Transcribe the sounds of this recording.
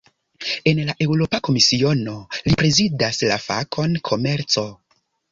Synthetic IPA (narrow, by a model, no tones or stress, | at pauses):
e̞nlaʔe̞wɾo̞pako̞misio̞no̞lipɾe̞zidasla̰fa̰kʰo̞nkʰo̞me̞ɾt͡so̞